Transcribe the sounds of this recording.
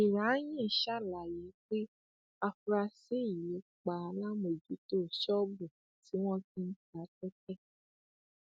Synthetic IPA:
i˨ɾa˨˦j̃ĩ˦˨ʃa˦˨la˨je˨˦k͡pe˦ | a˧fɾa˧si˦˨je˨˦k͡pa˨˧la˦mo˨d͡ʒu˨˦to˦˨ʃɔ˦bu˨ | ti˨˦w̃ɔ̃˦tĩ˦n̩˦ta˨˦tɛ˦kɛ˦

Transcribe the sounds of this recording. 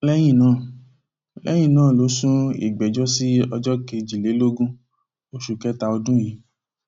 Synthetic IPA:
lɛ˦j̃ĩ˦˨nãː˦˨ | lɛ̰˦j̃ĩ˦˨nãː˦˨lo˨˦sũ˦ḭ˦˨ɡ͡bɛ˨d͡ʒɔ˦si˦ɔ˧d͡ʒɔ˦ke˧d͡ʒi˨le˨˦lo˦ɡũ˦ | o˧ʃu˨kɛ˨˦ta˧o˧dũ˦ji˨˦

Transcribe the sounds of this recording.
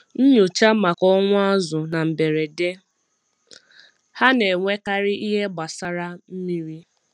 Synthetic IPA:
n̩˦ɲu˨t͡ʃa˦ma˨kɔ˦ŋʷʊ˦a˦zʊ˨na˨m̩˨be˨ɾe˨de˦ | ha˦ne˨ŋʷe˦ka˦ɾɪ˦ʔi˦ɦe˦ɡ͡ba˨sa˦ɾa˦m̩˦mi˦ɾi˦

